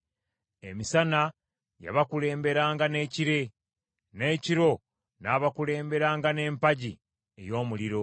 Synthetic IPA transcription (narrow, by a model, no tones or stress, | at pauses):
e̞̰misana | ja̰βakule̞ːmbe̞ɾaːŋɡane̞ːciɾe̞ | ne̞ːciɾo̞ | naːβakule̞ːmbe̞ɾaːŋɡane̞ːmpaɟi | ḛjo̞ːmuliɾo̞